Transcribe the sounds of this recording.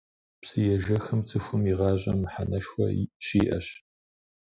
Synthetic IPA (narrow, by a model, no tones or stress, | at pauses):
psɨjɛʒɐxɨmt͡sʰʼɨxʷʊmiʁɑːʑʼɐ̰mɨħanɐʃxʷɐ̰ɕiːʔɐ̰ɕ